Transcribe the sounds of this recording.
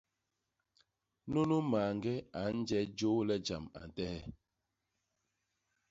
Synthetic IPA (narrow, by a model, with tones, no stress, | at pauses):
no˦no˦maː˨ŋɡɛ˦a˨˦n̩˦d͡ʒɛ˦d͡ʒo˦lɛ˦d͡ʒa˨ma̰˨n̩˨tɛ˦hɛ˦